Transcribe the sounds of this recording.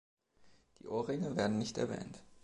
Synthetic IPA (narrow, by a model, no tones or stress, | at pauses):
d̥ḭːʔoːʁɪŋəveːɐdn̩nɪçtɛ̰ɐvɛ̰ːnt